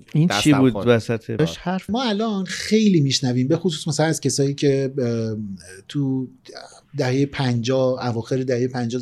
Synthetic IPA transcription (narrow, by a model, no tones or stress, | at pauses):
int͡ʃʰibuːd̪væsæt̪ʰeʃhæɾfmɒːælɒːnxe̞jliːmiːʃnæviːmbe̞xos̬uːsmæsælænæz̥kcʰe̞sɒːiːcʰe̞ | t̪ʰu | d̪æhejepʰænd͡ʒɒːævɒːxe̞ɾed̪æhejepʰænd͡ʒɒː